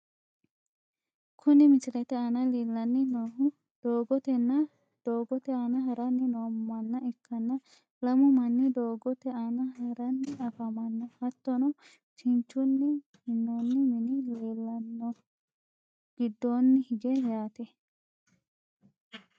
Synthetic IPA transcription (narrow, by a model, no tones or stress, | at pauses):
kʰʊnɪmɪt͡ʃɪlɛt̪ɛɐnɐleːlːɐnːɪnoːɦʊ | d̪̥oːɡɔt̪ɛnːɐ | d̪̥oːɡɔt̪ɛɐnɐɦɐɾɐnːɪnoːmmːɐnːɐɛkːɐnːɐ | lɐmʊmɐnːɪd̪oːɡɔt̪ɛanɐɦɐɾɐnːɪɐfɐmɐnːɔhɐt̪ːɔnɔ | t͡ʃɪnt͡ʃːʊnːɪ | hɪnːoːnːɪmɪnɪleːlːɐnːɔ | ɡ̥ɪd̪ːoːnːɪhɪɡɛjaːt̪ɛ